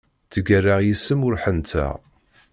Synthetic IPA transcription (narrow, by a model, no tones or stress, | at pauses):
t͡sːəɡærːaʁjisːəmʊɾħənt̪ʰæ̰